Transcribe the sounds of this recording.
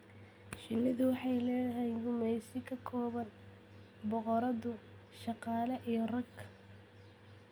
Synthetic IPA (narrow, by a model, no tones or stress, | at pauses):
ʃɪlɪðʊwɑħɑjlɛːjɐhɛjnɡʊmɛjsɪkʰɐkʰɔːβɐn | bɔqɔɾɐðʊ | ʃɑqɑːlɐʔijɔrɐɡ